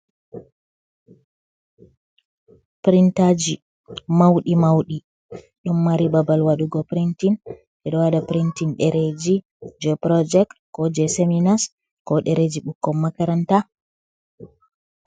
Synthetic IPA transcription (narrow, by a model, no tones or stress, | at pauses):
pɾintad͡ʒi | mawɗimawɗi | ɗumːaɾibabalwaɗuɡɔpɾintin | ɗɛɗɔwaɗapɾintinɗɛɾed͡ʒi | d͡ʒɔpɾɔd͡ʒɛktkɔd͡ʒɛseminas | kɔɗɛɾed͡ʒiɓukːɔmːakaɾanta